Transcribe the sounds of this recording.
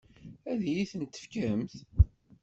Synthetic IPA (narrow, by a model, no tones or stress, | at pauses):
æðjiθənt̪ːə̥fkæəmθ